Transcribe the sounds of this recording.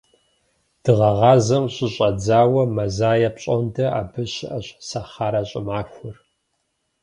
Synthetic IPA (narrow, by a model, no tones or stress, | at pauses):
d̥ɨʁɐʁɑːzɐmɕʼɪɕʼɐd͡zaːwɐmɐzaːjɐpɕʼondʰɐa̰ːbɨɕɪʔɐɕsɐχaːɾaɕʼɪmaːxʷʊr